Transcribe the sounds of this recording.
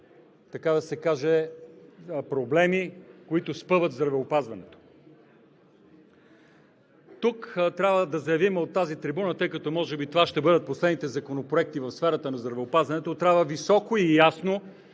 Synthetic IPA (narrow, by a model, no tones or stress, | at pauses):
t̪ɐkad̪ɐsɛkaʒɛ | pɾoblɛmikoit̪ʊspɤvət̪vzd̪ɾɐvɛopazvɐnɛt̪o̥ | t̪ukt̪ɾʲabvəd̪ɐzɐjɐvimot̪ːazit̪ɾibunət̪ɤjkɐt̪ɔmɔʒɛbit̪ovaʃt̪ɛbɤd̪ət̪̚poslɛd̪nit̪ɛzɐkonopɾoɛk̚t̪ivɐfsfɛɾət̪ənɐzd̪ɾɐvɛopazvɐnɛt̪ot̪ɾʲabvəvisɔkoijasno